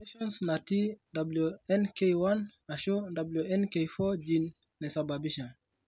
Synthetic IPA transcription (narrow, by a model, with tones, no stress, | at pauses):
eʃɔ˦nsna˨ti˦da˨blu˨ɛ˦nke˦jwa˦na˨ʃo˦da˨blju˨ɛ˦nke˨fɔ˦d͡ʒi˨nːe˨sa˨ba˨bi˦ʃa˨